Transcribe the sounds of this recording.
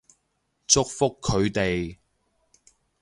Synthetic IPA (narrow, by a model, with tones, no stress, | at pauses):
t͡sʊ˥k̚fʊ˥kʰːɵ˨˧ɥt̪e˨j